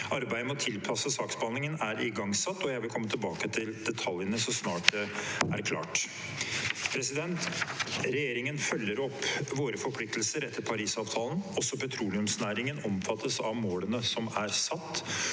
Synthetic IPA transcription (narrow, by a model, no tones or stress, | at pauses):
ʔɑɾbæɪəmɔt̪ʰɪlpʰɑsəsɑːkspɑnɪŋənæɾɪɡɑŋsɑt̪ːɔjæɪʋɪlkʰɔmːət̪ʰɪlbɑːkət̪ʰɪld̪ɛt̪ʰɑljənəsɔsnɑːʈ̚d̪ɛæɾkʰlɑ̰ːʈ | pʰɾɛsɪd̪ɛnt̪ɾɛjeːɾɪŋənfœlːəɾɔpːʋoːɾəfɔɾpʰlɪk̚t̪lsəɾɛt̪ʰːəɾpʰɑɾiːsɑːʋt̪ʰɑːlən̩ɔsːɔpɛt̪ʰɾuːlɪʉmsnæːɾɪŋənɔmfɑt̪ʰːəsɑʋmoːlənəsɔmæɾsɑt̪ː